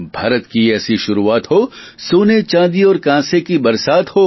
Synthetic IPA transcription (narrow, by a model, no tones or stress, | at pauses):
bʱaːɾət̪kiɛːsiʃʊɾuaːt̪ɦoː | soːnet͡ʃãːd̪iɔːɾkãːsekibɐɾsaːt̪hoː